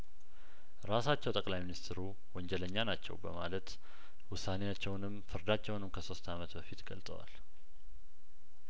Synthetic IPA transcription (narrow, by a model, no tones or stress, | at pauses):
ɾasat͡ʃːɛwt̪ʼəkʼlajminist̪ʰɨɾu | wɔnd͡ʒɛləɲːanat͡ʃːɛ̰wbə̰malət̪ | wʊsːanejat͡ʃːɛwnɨmfɨɾd̪at͡ʃːɛwnɨmkʰəso̞st̪ʰamət̪bəfit̪ɡə̰lt̪ʼə̰wa̰l